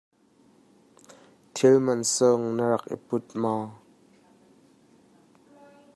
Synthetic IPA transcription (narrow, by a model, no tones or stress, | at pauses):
t̪ʰilmɐnsɔŋnəɾɐk̚ʔḭpʊt̪̚ma